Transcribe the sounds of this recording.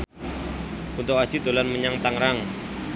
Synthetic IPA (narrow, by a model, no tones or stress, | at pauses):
unt̪ʊk̚wḁd͡ʒ̥i̤t̪o̤lanməɲaŋt̪aŋɾaŋ